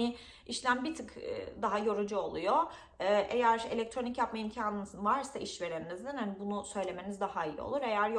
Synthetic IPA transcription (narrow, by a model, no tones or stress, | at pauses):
nɪ | iʃlʲæmbit̪ʰɯkːd̪aɦajo̞ɾud͡ʒuo̞lˠujo | ɛʔejæɾe̞̰lʲɛc̚t̪ʰɾo̞nicjapmajimcʰaːnɯnɯsɯnvaɾsaʔiʃve̞ɾeninizd̪inhanibunusø̞jlʲe̞me̞nizd̪ahaijḭo̰lˠuɾe̞jæɾj